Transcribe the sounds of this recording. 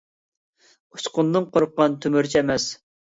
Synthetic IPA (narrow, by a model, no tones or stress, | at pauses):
u̥t͡ʃqʊnːɨŋqʰoɾʊqːɑnt̪ʰymyɾt͡ʃʰiɛmɛs